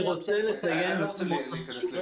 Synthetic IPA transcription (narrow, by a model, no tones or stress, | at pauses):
ʁot͡sɛlet͡sajenmatu